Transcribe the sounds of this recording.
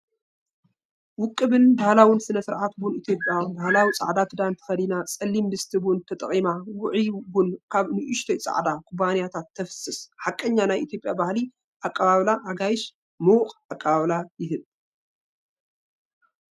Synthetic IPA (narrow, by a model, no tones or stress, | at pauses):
wʊkʼːɨbɨnbahlawinsɨnɐsɨɾʕat̪bunit̪ʰjo̞pʼjawbahlawit͡sʼa̰ʕd̪at̪ʰɨd̪ant̪ʰɐ̥fɐlinat͡sʼɐlːimbɨst̪ʰɨbunt̪ʰɐt̪ʼɐ̰χʼimawʊʕibʊnkʰaβnɨʔʊʃt̪ʰɐjt͡sʼa̰ʕd̪akʰubanijat̪ʰat̪ʰːɐfɨ̥sɨsħakʼːɐɲːanajʔit̪ʰjo̞pʼjabahli | ʔakʼːɐβaβlaʔaɡajɪʃ | mɨwqʼakʼːɐβaβlajɪɦɨl